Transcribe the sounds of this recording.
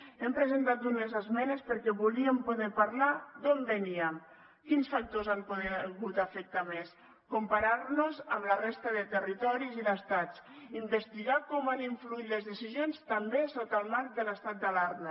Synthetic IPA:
ɛmpɾəzent̪at̪̚unezəzmɛnespəɾkɛβuliəmpuðɛpaɾlad̪ombəniəm | kinsfak̚t̪ozampoðɛɣut̪əfək̚t̪ames | kumpaɾaɾnozəmlərest̪əðət̪ərit̪ɔɾiziðəst̪at͡simbəst̪iɣakɔmaniɱfluit̪ləzðəsizjonst̪əmbesot̪əlˠmaɾk̚d̪ələst̪at̪̚d̪alaɾm

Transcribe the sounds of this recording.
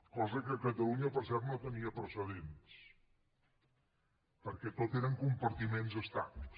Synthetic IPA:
kɔzəkəkət̪əlˠuɲəpəɾsɛrt̪not̪əniəpɾəsəð̞ens | pəɾkɛt̪ot̪eɾəŋkumpəɾt̪imenzəst̪a̰βlis

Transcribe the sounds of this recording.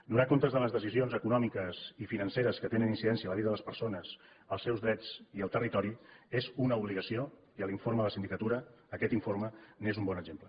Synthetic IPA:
d̪unakont̪əzðələzðəsizionzəkunɔmikəz̥ifinənseɾəskət̪enəninsiðɛnsiələβiðəðələspəɾsonəz̥ | əlˠsɛwzðɾɛd͡ziəlˠt̪ərit̪ɔɾiezunəuβliɣəsio | iəliɱfoɾməðələsind̪ikət̪uɾəː | kɛt̪iɱfoɾmənezumbɔnəʒemplə

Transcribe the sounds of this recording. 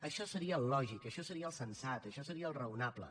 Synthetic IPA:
əʃɔsəɾiəllɔʒikəʃɔsəɾiəlˠsənsat̪əʃɔsəɾiəːlˠrəunaplə̰

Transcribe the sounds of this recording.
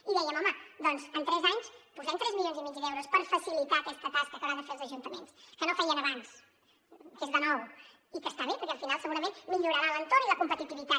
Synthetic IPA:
iðɛjəmɔməd̪ɔnzənt̪ɾɛzaɲspuzɛmt̪ɾɛzmiljonzimid͡ʒd̪ɛwɾuspəɾfəsilit̪aːkɛst̪ət̪askəkəɾaðəfelˠzəʒunt̪əmenskənofɛjənəβans | kezðənɔw | ikəst̪aβepəɾkɛəlˠfinalˠsəɣuɾəmẽnmiʎuɾaɾalənt̪oɾniləkumpət̪it̪iβit̪a

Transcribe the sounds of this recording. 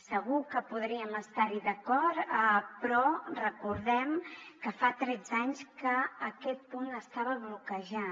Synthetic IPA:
səɣukəpuð̞ɾiəməst̪aɾiðəkɔt̪pɾɔrəkuɾðɛmkəfat̪ɾɛd͡zaɲskəːkɛt̪̚punəst̪aβəβlukəʒa

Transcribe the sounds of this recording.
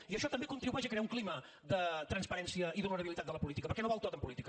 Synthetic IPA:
iəʃɔt̪əmbekunt̪ɾiβuɛʃəkɾeauŋklimə | ðət̪ɾənspəɾɛnsiəiðulnəɾəβilit̪at̪d̪ələpulit̪ikəpəɾkɛnoβɔlˠt̪ot̪əmpulit̪ikə

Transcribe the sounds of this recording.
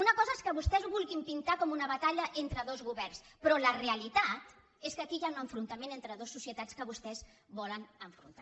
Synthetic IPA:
unəkɔzəeskəβust̪ɛzβulˠɣimpint̪akɔmunəβət̪aʎəʔent̪ɾəðozɣuβɛrnspɾɔləreəlit̪at̪ | eskəkijaunəɱfɾunt̪əmenent̪ɾəðosːusiət̪at͡skəβust̪ɛz | βɔlənəɱfɾṵnt̪a

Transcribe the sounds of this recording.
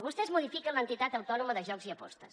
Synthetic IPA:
βust̪ɛzmuðifikənlənt̪it̪at̪əwt̪ɔnuməðəʒɔkziəpɔ̰st̪əs

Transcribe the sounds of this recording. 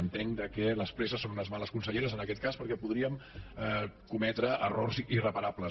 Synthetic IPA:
ənt̪eŋd̪əkɛləspɾɛsəsːonunəzmaləskunsəʎeɾəzənəkɛt̪̚kaspəɾkɛpuðɾiəm | kumɛt̪ɾəʔərorzirəpəɾaplə

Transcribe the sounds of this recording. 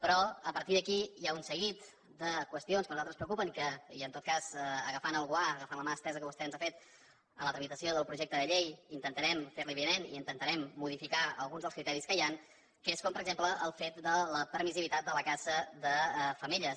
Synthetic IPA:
pɾɔəpəɾt̪iðəkijaunsəɣit̪ | d̪əkwəst̪ionskənuzalˠt̪ɾəspɾəukupəŋkəiənt̪ot̪̚kazəɣəfanəlˠɣwaəɣəfanləmaəst̪ɛzəkəβust̪eənzafet̪ | ələt̪ɾəmit̪əsioðəlˠpɾuʒɛk̚t̪əðəʎejint̪ənt̪əɾɛmfeɾliβiənenḭint̪ənt̪əɾɛmːuð̞ifikaə̰lˠɣunzðəlˠskɾit̪ɛɾiskəjan | kəeskɔmpəɾəɡzempləʔəlˠfet̪̚d̪ələpəɾmiziβit̪at̪̚d̪ələkazəðəfəmiʎə

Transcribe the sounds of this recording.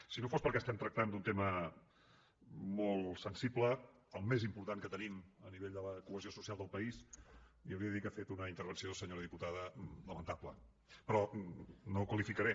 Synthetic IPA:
sinofospəɾkɛəst̪ɛmt̪ɾək̚t̪and̪unt̪emə | molˠsənsiblə | əlˠmezimpuɾt̪aŋkət̪əniməniβeʎd̪ələkuəziosusialˠd̪əlˠpəisiəwɾiəðəikafet̪unəint̪əɾβ̞ənsioðəsəɲoɾəðiput̪aðələmənt̪aplə | pɾɔnokwəlifikəɾɛ

